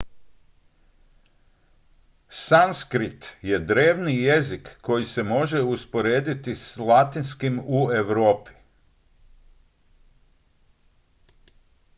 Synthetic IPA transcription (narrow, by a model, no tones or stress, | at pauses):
sanskɾit̪je̞d̪ɾe̞ːʋnije̞zikːo̞jise̞mo̞ʒe̞uspo̞ɾe̞ːd̪it̪islˠat̪inskimue̞ʋɾoːpi̥